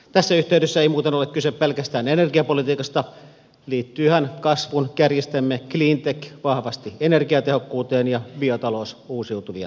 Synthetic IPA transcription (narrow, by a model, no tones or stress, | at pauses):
t̪æsːæyht̪eˑydøsːæeimuːt̪enolekkyseppelkæst̪æːnenerɡiɑpolit̪iːkɑst̪ɑ | liːt̪ːyːhænkɑsʋunkærjist̪emːekliːnt̪ekʋɑhʋɑst̪ienerɡiɑt̪ehokːuːt̪eːnjɑbiot̪ɑlosuːsiut̪uʋiɑ̰